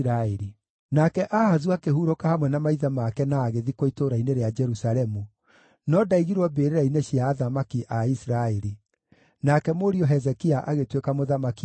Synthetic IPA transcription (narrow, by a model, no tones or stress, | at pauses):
ɾaeɾi | nakɛʔahazuakeɦuɾokahamwɛnamaiðamakɛnaːɣeðikoitoɾaineɾead͡ʒɛɾusaɾɛmu | nɔdaiɣiɾwɔbeːɾeɾaineɕiaːðamakiʔaisɾaeɾi | nakɛmoɾiɔɦɛzɛkiaʔaɣetwekamoðamaki